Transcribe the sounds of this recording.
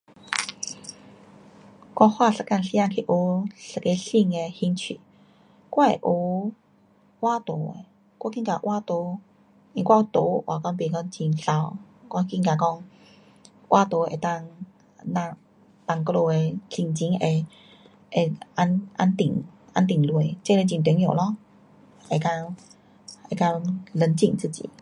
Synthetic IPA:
kwa˧hwa˥˧sə˨˩ka˧nsi˧˦ã˧ŋkʰi˧˨ʔo˧˦sə˨˩ke˧si˥˧ŋe˧hi˧˦nt͡ɕʰḭ˨ | kwa˧˩e˨ʔo˨˦ | wa˦t̪o˨˦ḛ˧˦ | kwa˧˦kĩ˦˧˨ka˨ʔwʔa˦t̪o˧˦ | ĩ˧˨kʷwã˥˧˦t̪o˨˦ʔwa̰˨˩kɔ˦˧ŋpe˨˩kɔ˦˩ŋt͡ɕi˨nɬa˧˦wkwa˧ki˧ŋka˨kɔ˥˧ŋ | ʔwʔa˦t̪o˨˦ḛ˨˩t̪a˥˧ŋ | nã˧ | pa˧˩ŋklo˧e˨˧t͡ɕi˧ŋt͡ɕi˧˦ŋe˧˩ | e˨˧ʔa˧˦nʔa̰˧nt̪ḭ˨˩ŋʔa̰˧˦nt̪i˨˩ŋlwe˨˩t͡ɕe˥˧le˧t͡ɕi˧˨nt̪wjo˨˩lɔ˧˦ | e˨˧˩ka˧ | e˨˩ka˧lə˧˦nt͡ɕḭ˧˩ŋt͡sɨ˥˧˨t͡ɕḭ˨

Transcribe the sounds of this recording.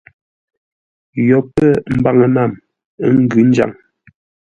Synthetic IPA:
jɔ˨pə˦˨m̩˦ba˨ŋə˨na˦˨m˦ | ŋ̩˦ɡʉ˨˦n̩˦d͡ʒa̰˨ŋ

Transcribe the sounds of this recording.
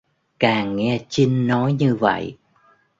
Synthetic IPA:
kaː˨˩ŋːɛ˧t͡ɕi˧ŋːɔ˨˦jɲɨ˧və̰˧˨j

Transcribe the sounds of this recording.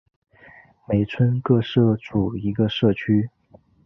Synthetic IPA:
me˧˩ɪt͡sʰwə˥nkɤ˥˧ʂɤ˥˩ʈ͡ʂu˨˩i˧˥ɡə˧ʂɤ˥˩t͡ɕʰy˥

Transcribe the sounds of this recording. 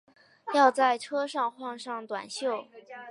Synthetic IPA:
jɑ˥˧ʊt͡sa˥˩ɪʈ͡ʂʰɤ˥ʂɑ˥˧ŋxwɑ˥˧ŋʂɑ˥˩ŋt̪wa̰˨˩nɕjo˥˩ʊ

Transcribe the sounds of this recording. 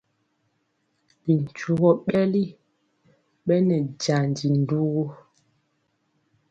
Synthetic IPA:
li˨n̩˨t͡ʃu˨ɣɔ˦ɓɛ˦li˦ | ɓɛ˦nɛ˨d͡ʒa˨n˨d͡ʒi˨n˨du˦ɣo˦

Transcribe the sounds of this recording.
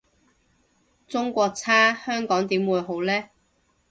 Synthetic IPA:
t͡sʊ˥ŋkʷɔː˧k̚t͡sʰaː˥hœː˥ŋkɔː˨˥ŋt̪iː˨˥mwuː˨˧jɦo˨˥wlɛː˥

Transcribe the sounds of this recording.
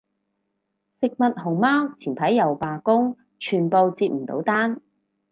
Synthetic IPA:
sɪ˨k̚mɐ˨t̚hʊ˨˩ŋmaː˥wt͡sʰiː˨˩npʰɐ˨˥jːɐ˨˩wpaː˨kʊ˥ŋ | t͡ʃʰyː˨˩npo˨˧wt͡siː˧p̚m̩˨˩t̪o̰˨˧˥wt̪aː˥n

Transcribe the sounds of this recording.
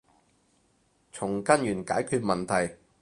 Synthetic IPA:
t͡sʰʊ˨˩ŋkɐ˥njyː˨˩nkaː˨˥jkʰyː˧t̚mɐ˨nt̪ʰɐ˨˩j

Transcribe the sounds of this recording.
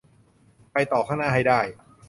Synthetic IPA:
pa˧jt̪ɔː˨˩kʰaː˥˩naː˥˩ɦa˥˩jdaː˥˩j

